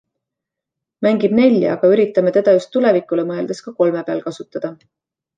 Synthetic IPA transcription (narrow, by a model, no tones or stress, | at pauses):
mæŋɡ̥ib̥ne̞l̰ʲːɑ̰ɡ̥ɑyɾit̪ːˑɑmet̪e̞d̪̥ɑjust̪ːule̞vikːˑulemɤ̞e̞ld̪̥e̞skɑko̞lme̞peɑlkɑsut̪ːˑɑd̪̥ɑ